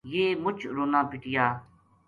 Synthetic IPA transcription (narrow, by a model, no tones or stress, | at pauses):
jeːmʊt͡ʃʰɾoːnãːpɪʈɪjaː